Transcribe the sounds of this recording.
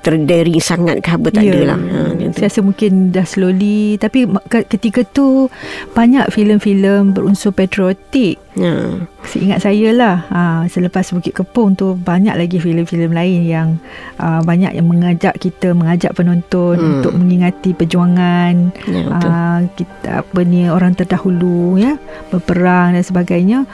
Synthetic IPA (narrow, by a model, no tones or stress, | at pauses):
t̪ərdəɾisaŋa̰t̪̚kəabət̪adəla̰hə̰səasəmũŋkɪndahsəlolit̪apikəkət̪ikat̪ub̥aɲaʔfiləmfiləmbəɾunsʊhpɛt̪ɾiot̪ɪk̚ə̰səʔḭŋat̪̚sajəlahəsələpasbukɪt̪̚kəpʊŋt̪ubaɲa̰ʔlaɡifiləmfiləmlaɪnjaŋʔəbaɲa̰ʔjaŋməŋad͡ʒaʔkit̪əməŋad͡ʒa̰ʔpənɔ̃nt̪ɔnunt̪ʊk̚məŋiŋat̪ipərd͡ʒuaŋanəkit̪a̰pənioɾaŋt̪ərdahulujəbərpəɾaŋdansəbaɡajɲa